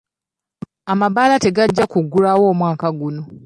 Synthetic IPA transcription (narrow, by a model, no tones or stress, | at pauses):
amaβaːlate̞ɡaɟːakuɡːulawo̞ːmwaːkaɡuno̞